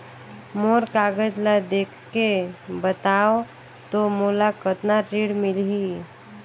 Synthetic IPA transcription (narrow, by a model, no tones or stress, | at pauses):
moɾkaɡəd͡ʒlad̪ekʰkebət̪ao | t̪omulakət̪naɾiɽmilɦi